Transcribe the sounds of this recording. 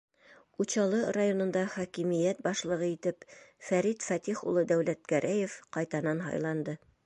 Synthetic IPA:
uɕɑlˠɤrajonŏnd̪ɑχɒkimĭjæt̪̚bɑʃlˠɤ̆ʁɤit̪ɘpfæɾit̪fæt̪iχṵlˠɤd̪æwlæt̪̚kæɾʔæjefqɑjt̪ɑnɑnɦɑ̰jlˠɑnd̪ɤ

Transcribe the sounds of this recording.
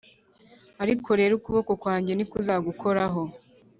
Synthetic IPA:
aɾikʰo̞ɾe̞ːɾukuβo̞ko̞kwaːɲɟe̞nikuzaɡukʰo̞ɾaɦo̞

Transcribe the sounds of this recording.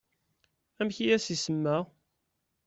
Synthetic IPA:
æmçijæsisəmːæ

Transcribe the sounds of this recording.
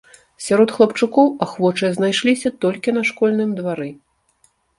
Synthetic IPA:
sʲaɾɔt̪xlˠɐpt͡ʂukɔwaxvɔt͡ʂɨjznajʂlʲisʲɐt̪ɔlʲkʲinɐʂkɔlʲnɨmd̪vaɾɨ

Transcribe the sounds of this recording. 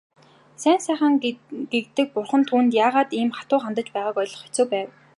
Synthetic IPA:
sæːnsæːχə̆ŋɡ̥ekt̪ɘ̆k̚pʊrχə̆nt̪ʰuːnt̪jaːʁaːt̪iːmχḁt̪ʊːχant̪ə̆t͡ɕpæːʁaːkɔjɮɞ̆χi̥t͡soːpæːw

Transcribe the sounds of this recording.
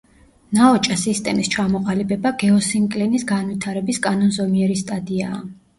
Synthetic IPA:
naɔt͡ʃʼasist̪ʼɛmist͡ʃʰamɔqʼalibɛbaɡɛɔsiŋkʼlɛnisɡanwit̪ʰaɾɛbiskʼanɔnzɔmiɛɾist̪ʼad̪iaː

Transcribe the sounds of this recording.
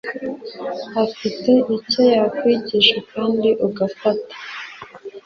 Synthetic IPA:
hafite̞ʔico̞jakwiɟiʃakaːndiʔuɡafatḁ

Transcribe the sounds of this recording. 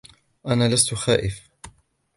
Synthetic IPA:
ʔanaːlast̪ʊxaːʔɪf

